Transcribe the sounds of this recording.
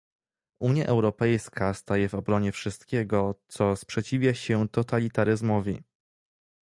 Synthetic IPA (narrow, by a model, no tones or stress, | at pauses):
ʔuɲjaʔɛwɾɔpɛjskʰast̪ajɛvɔbɾɔɲɛfʂɘst̪̚kʲɛɡɔt̪sɔspʂɛt͡ɕivʲjaɕɛt̪ɔt̪alʲit̪aɾɘzmɔvʲḭ